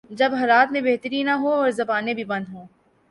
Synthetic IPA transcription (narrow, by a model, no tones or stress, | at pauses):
d͡ʒɐbɦɐlaːt̪mẽbeɦt̪əɾinɐɦoɔːɾzɐbaːnẽbʱibɐ̃nd̪ɦõː